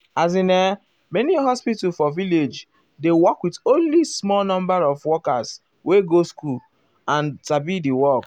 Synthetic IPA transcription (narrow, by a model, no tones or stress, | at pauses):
az̬ĩnɛ | mɛniɦɔspitufɔviled͡ʒ | dewɔkwitõnlismɔlnɔ̃mbaɹɔvwɔkas | weɡoskul | ãnsabidiwɔk